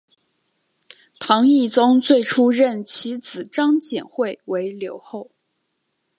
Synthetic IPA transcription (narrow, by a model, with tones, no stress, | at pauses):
t̪ʰɑ˧˥ŋi˥˩t͡sʊ˥ŋt͡swe˥˩ɪʈ͡ʂʰu˥ɻə˥˩nt͡ɕʰi˧˥t͡sɹ̩˨˩ʈ͡ʂɑ˥ŋt͡ɕjɛ˨˩nxwe˥˩ɪwe˧˥ɪljo˧˥ʊxo˥˩ʊ